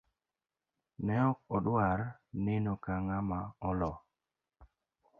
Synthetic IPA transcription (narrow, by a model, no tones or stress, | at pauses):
nɛɔk̚ɔɗwaɾnenokaŋamaɔlɔ